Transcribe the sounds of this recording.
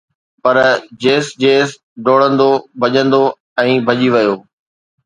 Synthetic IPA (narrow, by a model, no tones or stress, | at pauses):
pɐɾd͡ʑeːsd͡ʑeːs | ɖoːɽə̃nd̪obʱɐʄə̃nd̪o | ɛ̃ːbʱɐʄiʋɐjoː